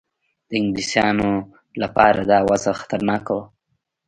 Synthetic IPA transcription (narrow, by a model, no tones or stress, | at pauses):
d̪̥əɪŋɡlisjɑno | lapɑɾad̪ɑwazaxḁt̪aɾnɑkaw